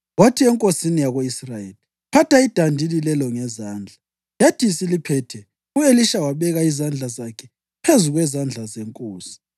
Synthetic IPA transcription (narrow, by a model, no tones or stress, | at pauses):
ɣwatʰiɛŋkʼosinijaɣoisrajeli | pʰatʰaid̥ʱandʱililɛlɔŋɛzaːnd͡ɮʱa | jad̥ʱisilipʰɛtʰɛ | ueliʃawaβɛɣaizand͡ɮʱazakʰɛ | pʰezuɣwɛzand͡ɮʱazeŋkʼoːsi̥